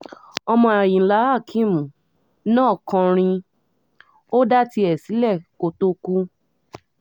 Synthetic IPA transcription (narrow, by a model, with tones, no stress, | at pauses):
ɔ˧mɔ̃˧a˨jĩ˨la˨˦a˦˨kʰĩ˦˨mũ˨ | nãː˦˨kɔ̃˧ɾ̃ĩ˧ | o˦da˦ti˧˦ɛ˨si˨˦lɛ˦˨ko˧to˧ku˦